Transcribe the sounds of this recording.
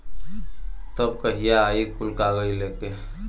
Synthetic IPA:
t̪əbkəɦijaːikulkaɡəileke

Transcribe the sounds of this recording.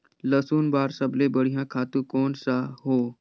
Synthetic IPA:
ləsuːnbaɾsəblebəɽ̤ijãkʰat̪uːkoɳsaɦo

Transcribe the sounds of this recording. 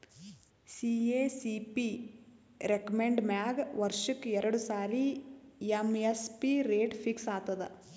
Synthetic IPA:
sieːsipi | ɾekɐmeɳɖmjaːɡʋɐɾʂikːɛɾɐɽusaːɾiemespiɾeːʈpʰiksaːt̪ɐd̪ḛ

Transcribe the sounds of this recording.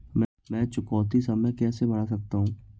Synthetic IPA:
mɛ | mɛ̃ːt͡ʃʊkɔːt̪isɐməjkɛːsebɐɽas̬ɐk̚t̪aɦũː

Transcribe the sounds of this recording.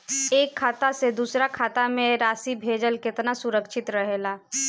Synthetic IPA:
eːkʰːaːt̪ased̪uːsɾakʰaːt̪amẽɾaːsibʱeːd͡ʒəlkɪt̪nasʊɾəkʃɪt̪ɾəɦeːlaː

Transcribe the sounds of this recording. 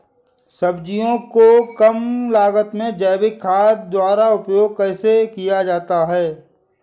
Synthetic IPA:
sɐbd͡ʒijõkokɐmlaːɡət̪mẽd͡ʒɛːbɪkʰːaːd̪d̪waːɾaʊpjoːɡ̚kɛːsekijad͡ʒaːt̪aɦɛː

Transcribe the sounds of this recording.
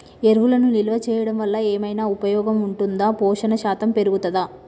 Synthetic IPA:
eɾʋulɐnuniluʋɐt͡ʃɛːjɐɽɐmʋɐlːɐeːmɐjnaːupɐjɔːɡɐmuɳʈund̪aːpɔːʂɐnɐʃaːt̪ɐmpe̞ɾuɡut̪ɐd̪aː

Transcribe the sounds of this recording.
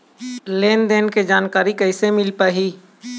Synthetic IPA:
leːnd̪eːnked͡ʒaːnkaːɾikəɪsemɪlpaːɦiː

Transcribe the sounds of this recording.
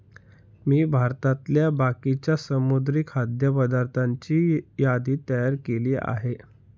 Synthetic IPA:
miːbʱaɾt̪at̪ljabakit͡ɕjasəmud̪ɾikhad̪jəpəd̪aɾt̪ʰaɲt͡ɕiːjad̪iːt̪əjaɾkeliːʔa̰ɦe

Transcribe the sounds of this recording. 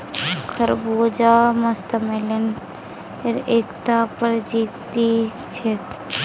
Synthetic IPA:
kʰəɾboːd͡ʒaːmɐst̪əmelən | eɾeːkt̪apəɾd͡ʒiːt̪ːi | t͡ʃʰek

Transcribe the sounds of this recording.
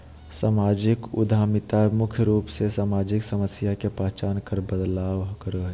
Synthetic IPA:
samad͡ʒikṵd̪ʱamit̪amʊkʰjəɾuːpsesaːmad͡ʒiksəməsjakepaɦt͡ʃaːnkəɾbəd̪laːʋkəɾə

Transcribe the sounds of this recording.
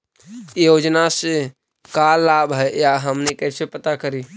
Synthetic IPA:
jod͡ʒnase | kalːabɦɛjjaɦəmnekəsepət̪akəɾi

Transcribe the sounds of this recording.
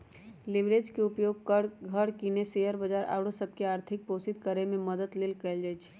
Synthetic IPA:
lɪʋɾeːd͡ʒkeʊpjoːɡ̚kəɽɡʱəɽkineseːjəɾbəd͡ʒaːɾʔa̰ːwɽosəb̚ʱkeaːɾt̪ʰɪk̚poːsɪt̪̚kəɾemẽməd̪ət̪lɪlkəld͡ʒat͡ʃʰː

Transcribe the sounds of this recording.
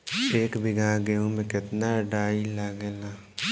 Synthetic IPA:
eːkbʱɪɡãːɡeũmẽkɪt̪naɖaːilaɡelaː

